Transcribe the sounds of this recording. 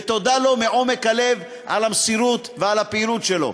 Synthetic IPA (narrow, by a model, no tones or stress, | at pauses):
t̪o̞d̪alo̞meʔo̞mekhale̞v | a̰lamsiɾut̪vealhapeilut̪ʃelo̞̰